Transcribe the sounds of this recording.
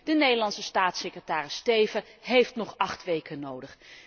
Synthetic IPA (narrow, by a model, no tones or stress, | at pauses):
d̥ənejdəlɑnsəstaːtsekrətaːrɪstejvəɦejftnɔχɑχtʋejkənowdəχ